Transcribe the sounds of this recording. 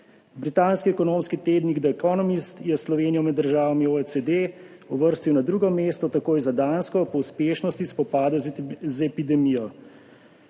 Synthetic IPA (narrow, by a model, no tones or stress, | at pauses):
bɾit̪aːnskiɛkɔnoːmskit̪eːd̪niɡd̪ɛkɔnɔmist̪jɛslɔʋeːnijɔmɛd̪ːəɾʒaːʋamioɛsed̪e | ɔʋəɾst̪iwnad̪ɾuɡɔmeːst̪ɔt̪akoːjzad̪aːnskɔpɔuspeːʃnɔst̪ispɔpaːd̪ɛzɛpid̪ɛmijɔ